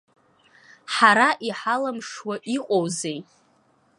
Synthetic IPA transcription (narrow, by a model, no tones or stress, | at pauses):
ħaɾaʔiħalamʂwaʔiqʷʼowzej